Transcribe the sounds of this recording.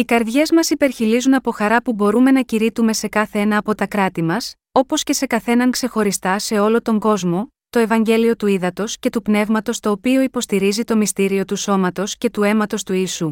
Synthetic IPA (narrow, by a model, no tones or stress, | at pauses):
ikɐɾðʝe̞zmɐsipe̞ɾçilizunɐpo̞xɐɾɐpubo̞ɾume̞nɐciɾit̪ume̞se̞kɐθeenɐːpo̞t̪ɐkɾɐt̪imɐs | o̞po̞sce̞se̞kɐθe̞nɐŋkse̞xo̞ɾist̪ɐse̞o̞lo̞t̪o̞ŋɡo̞zmo̞ | t̪o̞e̞vɐɲɟe̞lio̞t̪uiðɐt̪o̞sce̞t̪upne̞vmɐt̪o̞st̪o̞ːpio̞ipo̞st̪iɾizit̪o̞mist̪iɾio̞t̪uso̞mɐt̪o̞sce̞t̪ue̞mɐt̪o̞st̪uiːsu